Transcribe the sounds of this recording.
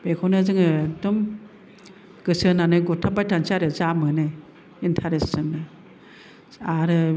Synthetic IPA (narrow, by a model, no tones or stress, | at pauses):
b̥ekʰɔwnɯzɯŋɯdum | ɡ̥ɯsɯnanɯɡutʰabajtʰansiaɾɯzamɯnɯ | intʰaɾesɯnɯ | aɾɯ